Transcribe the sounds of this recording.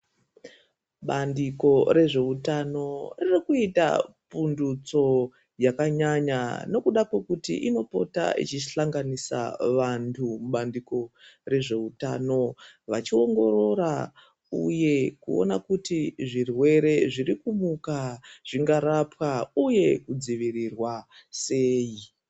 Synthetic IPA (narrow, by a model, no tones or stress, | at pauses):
ɓandiko̞ɾe̞ʐe̞utano̞ririkuita̰ | pundut͡so̞ | jakaɲaɲano̞kuɗakwe̞kutḭʔino̞po̞̰ta̰ḭt͡ʃiɬaŋɡanisa̰ʋantʰumuɓandiko̞re̞ʐe̞utaːno̞ʋat͡ʃio̞ŋɡo̞ɾo̞ɾa | uje̞kuo̞̰nakutiʐirwe̞ɾe̞ʐiɾikumukaʐ̥iŋɡaɾapwauje̞kud͡ziʋirirwaseːji